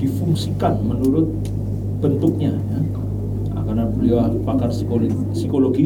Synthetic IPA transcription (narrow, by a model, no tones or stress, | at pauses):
difuŋsikanmənuɾʊt̪̚ | b̥ənt̪ʊk̚ɲaja | a̰karnabəliapakarsio | sikoloɡi